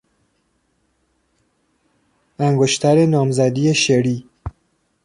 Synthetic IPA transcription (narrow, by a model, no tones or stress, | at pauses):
æŋɡoʃt̪ʰæɾenɒːmzæd̪iːeʃeɾiː